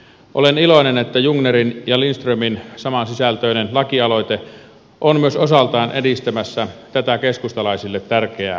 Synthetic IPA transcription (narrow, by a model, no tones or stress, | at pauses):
ʔoleniloinenet̪ːæjuŋnerinjɑlinst̪røminsɑmɑnsisælt̪øˑinenlɑkiɑloit̪e | ʔonmyøsosɑlt̪ɑˑinʔedist̪æmæsːæt̪æt̪ækeskust̪ɑlɑisilːet̪tærkeæ̰ː